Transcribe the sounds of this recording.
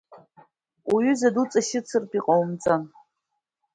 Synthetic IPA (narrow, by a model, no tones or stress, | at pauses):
uɥʏzadut͡sʼaɕɪt͡sʰɨrpiqʼawmt͡sʼan